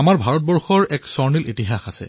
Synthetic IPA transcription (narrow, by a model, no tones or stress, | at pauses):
amaɹbʱaɹɔt̚bɔɹxɔɹɛksɔɹnilʔitiɦaxasɛ̰